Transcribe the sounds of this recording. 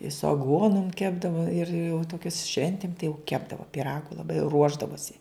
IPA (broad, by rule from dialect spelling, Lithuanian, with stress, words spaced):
ɪ sʊ ɐˈɡuɔnʊm ˈkʲæːbdɐʋoː ɪr jɛʊ toːˈkʲʊs ˈʃʲʋʲɛnʲtʲɪm tɐɪ jɛʊ ˈkʲæːbdɐʋoː pʲɪˈrɑːɡʊ lˠɐˈbɐɪ ˈruɔʒdɐʋoːsʲɪ